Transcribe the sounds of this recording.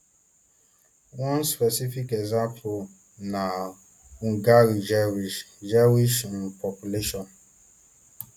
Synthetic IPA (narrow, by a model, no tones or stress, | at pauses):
wɔ̃nspɛsifikɛɡzãmpʰo | na | ũɡaɾid͡ʒɛwiʃd͡ʒɛwiʃn̩pʰɔpjuleʃɔ̃n